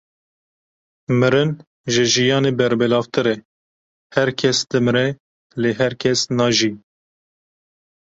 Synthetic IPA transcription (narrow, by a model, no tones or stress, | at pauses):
mɨɾɨn | ʒɨʒijɑːneːbɛɾbɨlɑːvt̪ɨɾɛ | hɛɾkʰɛsd̪ɨmɨɾɛ | leːɦɛɾkʰɛsnɑːʒi